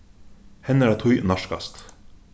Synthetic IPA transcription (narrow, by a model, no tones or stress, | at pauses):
hɛnəɾæːt̪ʰʊjnɑʃkɑ̰st̪